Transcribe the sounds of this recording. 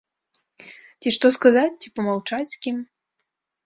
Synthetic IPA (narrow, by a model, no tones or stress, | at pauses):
t͡sʲiʂt̪ɔskazat͡sʲt͡sʲipɐmawt͡ʂat͡sʲsʲkʲim